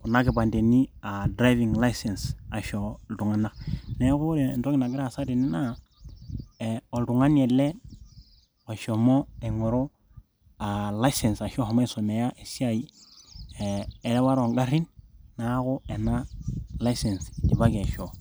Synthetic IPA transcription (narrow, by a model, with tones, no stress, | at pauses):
ku˨na˦ɡi˨ba˨nde˨ni˦a˨dɾa˦vi˨ŋla˦jse˨nsa˨ʃo˦ldu˨ŋa˦nːa˦ne˦ku˦ɾe˨nto˦kina˨ɡi˦ɾa˦˨sa˦de˨ni˦na˦ | o˨ldu˨ŋa˦nie˨le˦ | o˨ʃo˨mo˦e˨ŋo˨ɾo˦ | a˨la˦jse˨nsa˨ʃo˦ho˨ma˦so˨me˨ja˦ʔe˨si˦a˦i˦˨ | ɾe˦wa˦ɾo˨ŋɡa˦ɾi˦nːa˦ku˦e˨na˦la˦ise˨nsdi˨ba˦ɡe˨ʃo˨